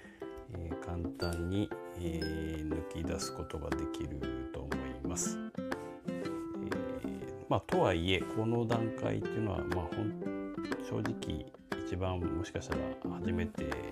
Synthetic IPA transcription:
eːkʰãnt̪ãɲ̟ːieːnɯkʲid̪asɨ̥ko̞t̪o̞ɡa̰d̪e̞kʲiɾɯ̟t̪o̞̰mo̞imasɨ̥ | ḛ | maːt̪o̞βaie̞kʰo̞no̞d̪ãŋka̰ḭt̪ːeiɯ̟no̞βa̰mahõ̞ntɕo̞ːʑikʲḭː | t͡ɕibãmmːo̞ɕi̥kaɕi̥t̪aɾa̰haʑime̞t̪e̞̰

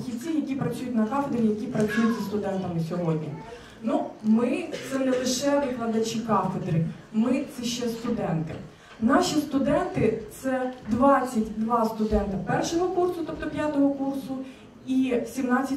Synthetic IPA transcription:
xʲiwʲt͡sʲijɐkʲipɾɐt͡sʲsʲujʊtʲnɐkɑfed̪ɾʲijɐkʲipɾɐt͡sʲujʊtʲzɐst̪ʊd̪ɛnt̪ɐmɪsʲɔɦɔdʲnʲḭ | numɪt̪sɛnɛlˠɪʃɛʋɪklˠɐd̪ɐt͡ʃikɑfed̪ɾɪ | mɪt̪sɛʃt͡ʃɛst̪ʊd̪ɛnt̪ɪ̰ | nɑʃʲist̪ʊd̪ɛnt̪ɪtt̪sɛd̪ʋɑt͡sʲːɐtʲd̪ʋɑst̪ʊd̪ɛnt̪ɐpɛrʃɔɦɔkursʊt̪ɔp̚t̪ɔpʲjat̪ɔɦɔkursʊ | isʲimnɑt͡sʲːɐ

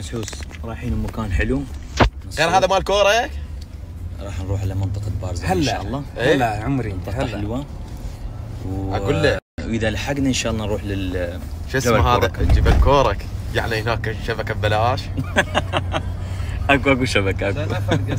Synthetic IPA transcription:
ʔħuːsˤɾˤɑːħiːnumakaːnħɪlunɣeːɾɦaːðamalkoːɾˤɑ | ɾˤɑːħnɾuːħʕalamɪnt̪ˤɨqɑlbɑːɾˤzhalnaʃaːʔlˤːɑːʔheaːaʕʊmɾint̪ˤɑaħɪlwa | wʔaulːawʔəðalħaɡnaʔɪnʃaːʔlˤːɑnɾˤuːħlɪʃɪsmɦaːðad͡ʒibalkoːɾˤɑkjaʕnihnaːkʃabakabbalaːʃ | ʔakuʔakuʃabakaʔaku

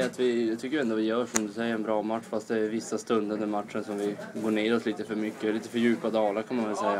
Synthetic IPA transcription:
at̪vɪɛt̪ʰʏkːjɪɛnd̪ɔvɪjœːʂɔmd̪ɵsɛjːəɾɛnbɾɑːmat̪ʂfast̪̚d̪ɛːɾvɪsːast̪ɵnd̪əɵnd̪ɛmat̪ʂənsɔmvɪɡoːɳeːɾɔsliːt̪əfœɾmʏkːəliːt̪əfœɾjʉ̟ːpad̪ɑːlaɾkʰanmanvɛlsɛjːa

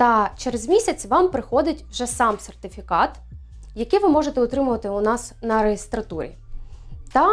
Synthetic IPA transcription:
t̪ɐt͡ʃeɾezmʲisʲɐt͡sʲʋɑmpɾɪxɔd̪ɪtʲwʒɛsɑmsert̪ɪfʲikɑt̪ | jɐkɪjʋɪmɔʒet̪ɛʊt̪ɾɪmʊʋɐt̪ɪʊnɑsnɐɾeɦʲist̪ɾɐt̪uɾʲḭ | t̪ɐ

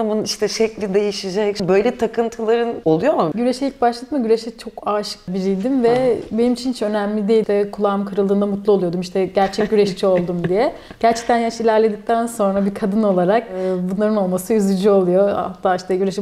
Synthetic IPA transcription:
amuniʃt̪ɛʃɛclʲid̪e̞jiʃid͡ʒɛcbø̞jlʲɛt̪ʰakʰɯnt̪ʰɯlˠaɾɯno̞lˠujo̞muɟyɾeʃɛjʲicbaʃlˠad̪ɯmɯɟyɾeʃɛt͡ʃʰo̞kaːʃɯ̥k̚biɾijd̪imvɛbenimit͡ʃʰint͡ʃø̞næmlʲid̪ejt̪ʰɛkʰulˠaːmkʰɯɾɯlˠd̪ɯːnd̪amut̪lˠuo̞lˠujo̞d̪umiʃt̪ʰɛɟæɾt͡ʃʰɛɟyɾeʃt͡ʃʰio̞lˠd̪umd̪ijɛ | ɟ̥æɾt͡ʃʰɛ̥c̚t̪ʰænjaʃilʲæɾlʲe̞d̪ic̚t̪ʰænso̞nɾabikʰad̪ɯno̞lˠaɾak̚ːbunlˠaɾɯno̞lˠmasɯjyzʲyd͡ʒyo̞lˠujo̞a̰t̪ʰːaːiʃt̪ʰɛɟyɾeʃɛ

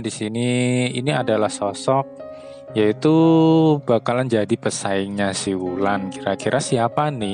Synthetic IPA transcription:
disiniiniadalahsɔsɔk̚ | jait̪u | b̥akaland͡ʒadipəsaɪŋɲasihwulankiɾakiɾʔasiapanɪ

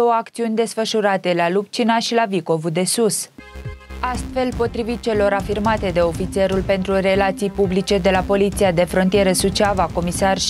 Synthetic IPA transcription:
o̞wəakt̪siunʲd̪e̞sfəʃuɾat̪e̞lalup̚t͡ʃinaʃilaviko̞vud̪e̞sus | ast̪fe̞lpo̞t̪ɾivit̪̚t͡ʃe̞lo̞ɾafirmat̪e̞d̪e̞o̞fit̪sie̞ɾulpe̞nt̪ɾure̞lat̪sijpublit͡ʃe̞d̪e̞lapo̞lit̪siad̪e̞fɾo̞nt̪ije̞ɾəsut͡ʃavako̞misar

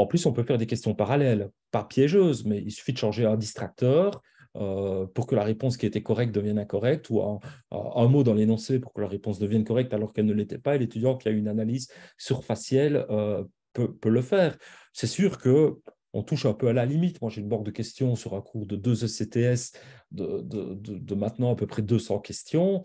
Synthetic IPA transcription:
ɑ̃plysɔ̃pøfɛʁd̪ekʲɛst̪jɔ̃paʁalɛl | papjɛʒøːzmɛilsy̥fid̪əʃɑ̃ʒeɛ̃d̪ist̪χak̚t̪œːʁ | øpuʁkəlaʁepɔ̃s̬kʲiet̪ɛkɔʁɛk̚t̪̚d̪əvjɛnɛ̃kɔʁɛk̚t̪ʰuɛ̰̃ː | mod̪ɑ̃lenɔ̃sepuʁkəlaʁepɔ̃sd̪əvjɛnkɔʁɛk̚t̪alɔʁkɛlnəlet̪ɛpaelet̪yd̪jɑ̃kiayynanalizsyʁfasjɛlø | pøpøləfɛːʁsɛsyːʁkə | ɔ̰̃t̪uʃɛ̃pøalalimit̪mwaʒeynbɑ̃k̚d̪əkʲɛst̪jɔ̃syʁɛ̃kʰuːʁd̪əd̪øzøset̪eɛsd̪əd̪ə̰d̪əd̪əmɛ̃t̪nɑ̃apøpχɛd̪øsɑ̃kʲɛst̪jɔ̃

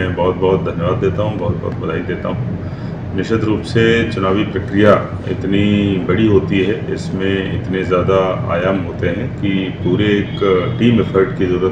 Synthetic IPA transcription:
ɛ̃bɔːt̪̚bɔɦt̪̚d̪ʱɐnjʋaːd̪ːeːt̪aɦũbɔːt̪̚bɔ̰ːt̪̚bɐd̪aːid̪eːt̪a̰ɦũ | nɪʃət̪ɾuːpset͡ʃʊnaːʋipɾɐkɾija | ɪ̰t̪nibɐɽiɦoːt̪iɦɛɪsmẽɪt̪nezjaːd̪aa̰ːjaːmɦoːt̪eɦɛ̃kipuːɾeːkʈiːmɛfʰəɾɖkizɐɾuːɾət̪

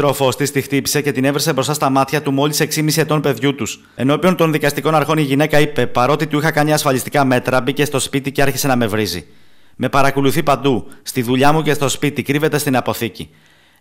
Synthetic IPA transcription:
ɾo̞fo̞st̪ist̪ixt̪ipi̥se̞ce̞t̪ine̞vɾisebɾo̞st̪ɐst̪ɐmɐt̪çɐt̪umo̞lise̞ksimisied̪o̞npe̞ðʝut̪us | e̞no̞pio̞nt̪o̞nðikɐst̪iko̞nɐɾxo̞niʝine̞kɐipe̞pɐɾo̞t̪it̪uixɐkɐnɲɐːsfɐlist̪i̥kɐme̞t̪ɾɐbice̞st̪o̞spit̪iceɐɾçese̞nɐme̞vɾizḭ | me̞pɐɾɐkoluθipɐnd̪ust̪iðuʎɐmuce̞st̪o̞spit̪ikɾive̞t̪e̞st̪inɐpo̞θici

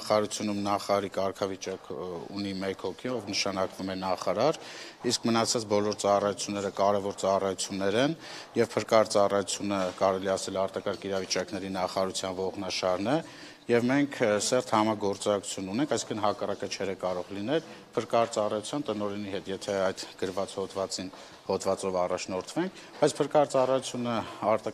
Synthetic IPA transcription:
χɑɑɾut͡sʰjunumnɑχɑɑɾikɑɾkʰɑvit͡ʃɑkṵnimɛkhɔkʰiɔvnəʃɑnɑkvumɛnɑχɑɾɑɾiskʰmənɑt͡sʰɑt͡sbɔlɔɾt͡sɑrɑjut͡sʰjunːɛɾəkɑɾɛvɔɾt͡sɑrɑjut͡sʰjunːɛɾɛnjɛvpʰəɾkɑɾt͡sɑrɑjut͡sʰjunəkɑɾɛliɑsɛlɑɾt̪ɑkɑɾkʰiɾɑvit͡ʃɑknɛɾinɑχɑːɾut͡sʰjɑnvɔʁnɑʃɑɾnɛ | jɛvmɛŋkʰsɛɾt̪ʰhɑmɑɡɔɾt͡sɑkʰu̥t͡sʰjunːunɛŋkʰɑjsĩ̥ŋkʰənɦɑkɑrɑkət͡ʃʰɛɾɛkɑɾɔʁlinɛlpʰəɾkɑɾt͡sɑrɑjut͡sʰjɑnt̪ənɔɾɛniɦɛt̪jɛt̪ʰɛɑjd̪ɡ̥əɾvɑt͡shɔd̪vɑt͡sin | hɔd̪vɑt͡sɔvɑrɑt͡ʃʰnɔɾt̪ʰvɛŋkʰ | bɑjt͡sʰpʰəɾkɑɾt͡sɑrɑjut͡sʰjunəɑɾt̪ɑ

